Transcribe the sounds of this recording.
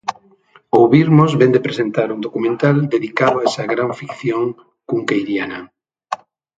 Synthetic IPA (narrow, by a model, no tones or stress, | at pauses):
oβiɾmozβend̪epɾesent̪aɾund̪okumẽnt̪ald̪eðikaðoaɛsɐɣɾaɱfikθjoŋ | kuŋkejɾjana